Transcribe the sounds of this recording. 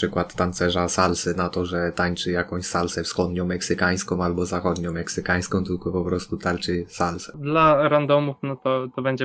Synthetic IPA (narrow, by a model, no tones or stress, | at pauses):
ʂɘkwat̪ːant̪sɛʐasalsɘnat̪ɔʐɛt̪aɲt͡ʂɘjakɔ̃w̃ɕsalsɛfsxɔd̪ɲɔ̃w̃mːɛksɘkaj̃skɔ̃w̃albɔzaxɔd̪ɲɔ̃w̃mɛksɘkaj̃skɔ̃w̃t̪ɘlkɔpɔpɾɔst̪ut̪aɾt͡ʂɘsalsɛ̥d̪laɾand̪ɔmufnɔt̪ɔt̪ɔbɛɲd͡ʑɛ